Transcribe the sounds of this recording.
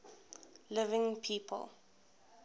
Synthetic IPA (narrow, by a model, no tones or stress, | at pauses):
lɪvɪ̃ŋpʰiːpʰə̰lˠ